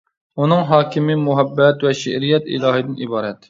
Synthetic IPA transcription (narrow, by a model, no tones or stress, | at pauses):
unɨŋɦɑːkʲʰɪmɪmuɦɛbːɛt̪wɛʃɪʔɾijɛt̪ḭlˠɑːɦɨd̪ɪnibɑːɾɛt̪